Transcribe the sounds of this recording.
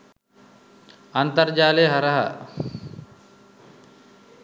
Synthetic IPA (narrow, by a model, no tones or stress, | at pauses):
ɐnt̪ɐɾd͡ʒaːleɦɐɾɐɦɐ̰